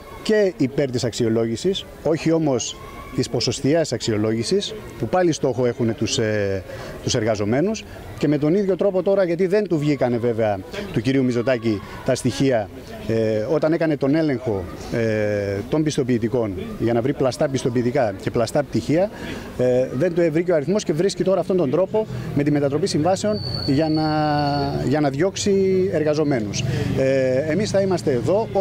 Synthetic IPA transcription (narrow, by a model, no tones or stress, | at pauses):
ce̞ipe̞ɾt̪isɐksio̞lo̞ʝisis | o̞çio̞mo̞s | t̪ispo̞so̞st̪iesɐksio̞lo̞ʝisis | pupɐlist̪o̞xo̞e̞xune̞t̪uset̪use̞ɾɣɐzo̞me̞nus | ce̞me̞t̪o̞niðʝo̞t̪ɾo̞po̞t̪o̞ɾɐʝɐt̪̬iðe̞nt̪uvʝikɐne̞ve̞ve̞ɐt̪uciɾiumizo̞t̪ɐci | t̪ɐst̪içiɐ | o̞t̪ɐne̞kɐne̞t̪o̞ne̞le̞ŋxo̞ | t̪o̞mbist̪o̞piːt̪iko̞nʝɐnɐvɾiplɐst̪ɐpist̪o̞piːt̪ikɐce̞plɐst̪ɐp̚t̪içiɐ | ðe̞nt̪uevɾiceɐɾiθmo̞sce̞vɾiscit̪o̞ɾɐːft̪o̞nt̪od̪ɾo̞po̞me̞t̪ime̞t̪ɐt̪ɾo̞pisiɱvɐse̞o̞nʝɐnɐ | ʝɐnɐðjo̞ksie̞ɾɣɐzo̞me̞nus | emisθɐimɐst̪e̞ːðo̞